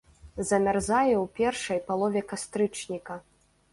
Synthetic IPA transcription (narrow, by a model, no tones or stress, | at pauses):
zɐmʲarzajɛwpʲɛrʂɐjpalˠɔvʲɛkast̪ɾɨt͡ʂnʲikɐ